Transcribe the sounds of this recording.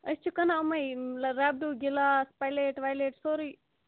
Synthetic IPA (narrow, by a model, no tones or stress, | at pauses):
ɐst͡ʃʰukɐnaɐmɐjlɾaːb̚ɖuɡilaspajleʈʋajleʈsoɾi